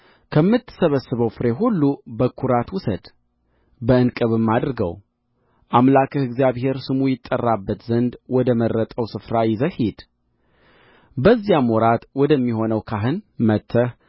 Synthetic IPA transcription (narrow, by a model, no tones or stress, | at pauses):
kʰəmːɨt̪ʰːɨ̥səβəsːɨβəwfɨɾe̞ɦulːubəkʰuɾat̪wʊsəd̪ | bəɨnkʼɨβɨmːad̪ɾɨɡə̰w | ʔamlakʰəhɨɡzijaβhe̞ɾsɨmujɪt̪ʼːərːabːət̪zənd̪wɔd̪əmərːət̪ʼəwsɨfɾajɪzəhid̪̥ | bəzːjamɔɾat̪wɔd̪əmːiho̞nəwkʰaɦɨnmət̪ʰːəh